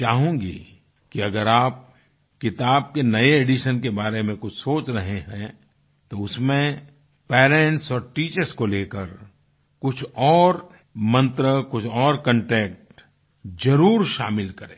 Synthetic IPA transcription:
t͡ʃaːɦũːɡḭː | kiɐɡəɾaːp̚ | kɪt̪aːb̚kenɐeeːɖiʃənkebaːɾemẽkʊt͡ʃʰsoːt͡ʃɾɐɦeɦɛ̃ | t̪oʊsmẽ | pɛːɾẽːɳʈsɔːɾʈiːt͡ʃəɾskoleːkəɾ | kʊt͡ʃʰɔːɾ | mɐ̃nt̪ɾəkʊt͡ʃʰɔːɾkə̃ɳʈɛːk̚ʈ | d͡ʒɐɾuːɾʃa̰ːmɪlkɐɾḛ̃ː

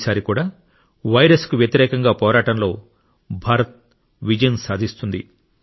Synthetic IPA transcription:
saːɾikuːɽaː | ʋɐjɾɐskuʋjɐt̪iɾɛːkɐŋɡaːpɔːɾaːʈɐnlo̞ː | bʱaːɾɐt̪̚ | ʋid͡ʒɐjɐnsaːd̪ʱist̪und̪i

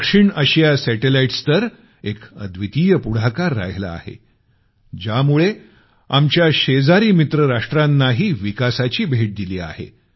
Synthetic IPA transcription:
kʂiɳəɕjasɛʈelaiʈst̪əɾ | ekə̰d̪ʱʋit̪iːjəpuɽ̤akaɾːa̰ɦla̰ːhḛ | d͡ʑamuɭe | amt͡ɕjaɕed͡zaɾiːmit̪ɾəɾaʂʈɾanːaɦiːʋikasat͡ɕiːbʱeʈ̚d̪iliːa̰hḛ

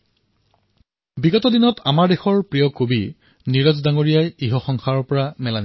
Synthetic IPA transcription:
biɡɔtɔdinɔtʰamaɹdexɔɹpɹijɔkobi | niɹɔzdaŋoɹijajiɦɔxɔŋxʰaɹɔpɔɹamɛlani

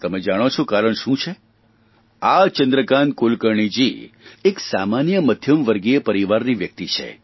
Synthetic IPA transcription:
t̪əmed͡ʒaɽ̃ot͡ʃʰokaɾəɳʃũt͡ʃʰe | at͡ʃənd̪ɾəkan̚kolkəɾɳid͡ʒieksamanjəməd̪ʱjəmʋəɾɡiepəɾiʋaɾniʋjək̚t̪it͡ʃʰḛ

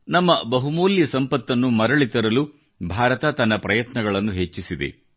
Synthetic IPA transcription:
nɐmːɐbɐɦumoːljɐsɐmpɐt̪ːɐnːumɐɾɐɭit̪ɐɾɐlu | bʱaːɾɐt̪ɐt̪ɐnːɐpɾɐjɐt̪nɐɡɐɭɐnːuɦe̞t͡ʃːisid̪ḛ

